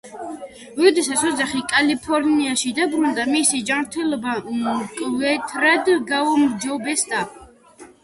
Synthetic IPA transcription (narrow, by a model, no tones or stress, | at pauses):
vɔd̪ɛsat̪sɔd̪zaχikʼalipʰɔɾniaʃid̪abɾund̪amisid͡ʒamɾt̪ʰɛlɔbamkʼvɛt̪ʰʼɾad̪ɡaumd͡ʒɔbɛst̪ʼa